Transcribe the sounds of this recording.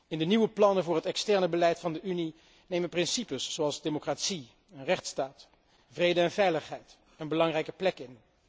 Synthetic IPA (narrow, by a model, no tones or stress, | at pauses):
ɪndəniʋəplɑnəvʊːɹɦətɛkstɛɹnəbəlɛjtfɑndəʔyni | nejməprɪnsipəsːoɑlˠzdemokraːtsi | ənrɛχtstaːt | vrejdəɛnvɛjləχɦɛjt | ənbəlɑŋrɛjkə̥plɛkɪn